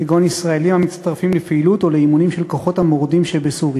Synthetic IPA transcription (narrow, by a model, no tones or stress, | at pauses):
eɡonisʁaelimhamitst̪aʁfimlepeilut̪o̞leimunimʃelko̞χo̞t̪hamoʁd̪imʃebesuʁja